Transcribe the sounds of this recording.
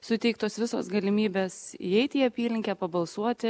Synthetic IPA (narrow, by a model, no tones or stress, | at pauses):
sʊt̪ʲɛɪk̚t̪oːsʋʲɪso̰ːsɡɐlʲɪmʲiːbʲeːsḭɛɪt̪ʲiːɐpʲiːlʲɪŋʲkʲæːpɐbɐlˠsuɔt̪ʲɪ